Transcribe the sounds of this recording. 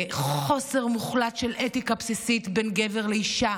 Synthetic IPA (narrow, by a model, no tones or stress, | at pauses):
χχo̞se̞ʁmuχlatʃelʔetikapsisit̪benɡe̞veʁleiʃa